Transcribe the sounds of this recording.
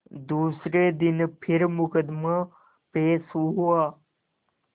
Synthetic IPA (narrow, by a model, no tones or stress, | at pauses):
d̪uːsɾed̪ɪnpʰɪɾmʊkəd̪ma | peːsuɦuaː